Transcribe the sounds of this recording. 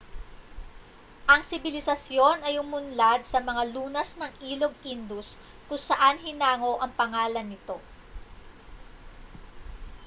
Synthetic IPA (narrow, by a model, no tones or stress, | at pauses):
ʔɐŋsɪbɪlɪsɐsjo̞nɐjʊmʊnlad̪̚sɐmɐŋaluːnɐsnɐŋʔiːlo̞ɡ̚ind̪ʊs | kʊŋsɐʔanɦɪnaːŋo̞ʔɐŋpɐŋaːlɐnːɪt̪o̞